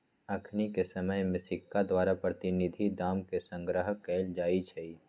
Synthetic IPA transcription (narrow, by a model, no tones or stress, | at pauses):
ɐkʰnikesɐməjmɪsɪkːad̪waːɾapɾət̪ɪnɪd̪ʱid̪aːmkesə̃ŋɡɾəɦəkɛːld͡ʒaːit͡ʃʰɛi